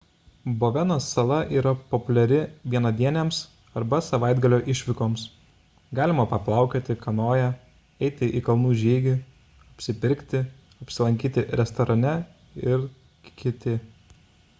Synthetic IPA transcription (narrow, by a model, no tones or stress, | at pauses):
boːʋʲɛnɐsːɐlˠɐʔiːɾɐpopʊlʲɛɾʲɪʋʲiɛnɐd̪ʲiɛnʲeːms | ɐɾbɐsɐʋɑˑɪd̪ɡɐlʲoːʔɪʃʲʋʲɪkoːms | ɡɑːlʲɪmɐpɐplˠɑˑʊkʲoːt̪ʲɪkɐnoːjɛ | ɛɪt̪ʲɪʔikɐlˠnuːʒʲiːɡʲɪ | ɐpʲsʲɪpʲɪɾʲkʲt̪ʲɪ | ɐpʲsʲɪlˠɐ̃ŋʲkʲiːt̪ʲɪɾʲɛst̪ɔɾʔɐnʲɛ | ɪɾ | kkʲɪt̪ʲɪ